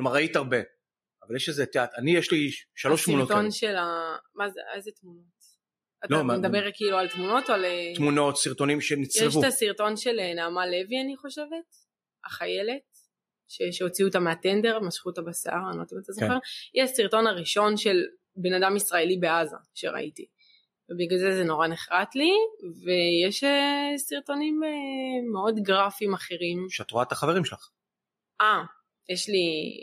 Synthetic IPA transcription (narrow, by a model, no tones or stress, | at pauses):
klomaʁait̪aʁbe̞ | avaljeʃezet̪eat̪anijeʃliʃaloʃt̪munotonʃelamazḛezetmuno̞t | atomed̪abeʁkiːlualt̪muno̞t̪alet̪muno̞t̪siʁto̞nimʃenit͡sjeʃutasiʁto̞nʃe̞lenaːmale̞vianiχo̞ʃe̞ve̞t | aχaje̞le̞t̚ | ʃeʃeot͡siut̪ameatende̞ʁmaʃχutabasaʁanot̪imet̪azoχeʁjɛasiʁto̞naʁiʃo̞nʃe̞l | be̞nadamisʁaelibe̞aza̰ʃḛʁa̰ʔḭtḭ | vebiɡalzezeno̞ʁaneχʁatlive̞jeʃesiʁto̞nimeːeo̞dɡʁafimaχe̞ʁimʃat̪ʁuat̪aχaveʁimʃelaχ | ʔa | jeʃli